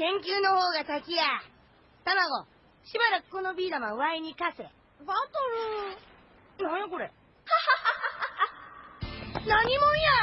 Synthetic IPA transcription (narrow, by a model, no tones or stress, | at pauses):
kẽ̞ŋkʲɨːno̞ho̞ːɡasakʲija | t̪amaɡo̞ | ɕibaɾakɯ̟̥kono̞bʲiːd̪amaɯ̟βaiɲ̟ikasḛ | bat̪oɾɯ | nãjako̞ɾe | naɲ̟imõɰ̃ja